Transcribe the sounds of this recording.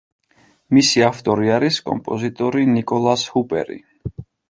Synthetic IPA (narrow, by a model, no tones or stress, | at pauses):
misiaft̪ʼɔɾiaɾiskʼɔ̰mpʼɔzit̪ʼɔɾinikʼɔlˠashupʼɛ̰ɾḭ